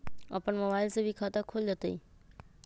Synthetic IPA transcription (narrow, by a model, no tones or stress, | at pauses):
a̰pəɳməʋaɪlsebʱikʰat̪akʰold͡ʒət̪əi